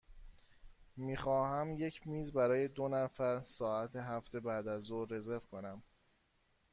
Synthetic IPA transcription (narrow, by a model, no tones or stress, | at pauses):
miːxɒːhæmje̞cʰmiːzbæɾɒːje̞d̪onæfæɾsɒːæt̪ʰe̞ɦæft̪ʰe̞bæd̪æzore̞ze̞vkʰo̞næm